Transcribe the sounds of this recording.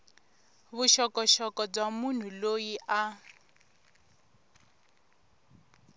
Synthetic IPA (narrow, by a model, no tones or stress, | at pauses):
βuʃɔkɔʃɔkɔb͡ʐamun̤ulojiʔa